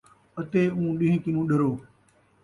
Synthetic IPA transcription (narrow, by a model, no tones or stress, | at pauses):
ət̪eːũːɗɪ̃ɦĩːkɪnũːɗəɾoː